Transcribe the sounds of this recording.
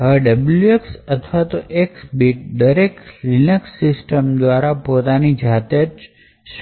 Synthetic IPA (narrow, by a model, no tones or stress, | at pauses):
ɦəɖəbljueksət̪ʰʋat̪oʔeksbiʈ̚d̪əɾekɾinəksːɪsʈəmd̪ʋaɾapot̪anid͡ʒʱat̪at͡ʃ | ʃ